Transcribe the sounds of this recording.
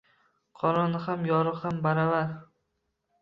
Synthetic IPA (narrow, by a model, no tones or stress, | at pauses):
qʰɒɾɒnɪhamjɒɾɨhambaɾavaɾ